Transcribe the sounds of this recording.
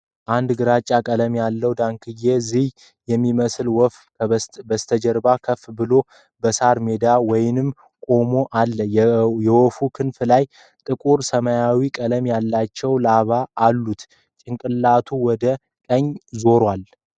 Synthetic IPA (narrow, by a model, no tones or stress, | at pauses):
ʔand̪ɡɨɾat͡ʃʼːakʼələmjalːəwd̪aŋkʰɨjezih | jɛmːiməsɨlwɔf | bəst̪ʰəd͡ʒəɾbakʰəfbɨlo | bəsaɾme̞d̪awɔjɪnɨm | kʼo̞moʔalːəjjɛwɔfukʰɨnflaj | t̪ʼɨkʼuɾsəmajawikʼələmjalːat͡ʃːɛwlaβaːlːut̪ | t͡ʃʼɪŋkʼɨlːat̪ʰuwɔd̪ə | kʼəɲːzo̞ɾwal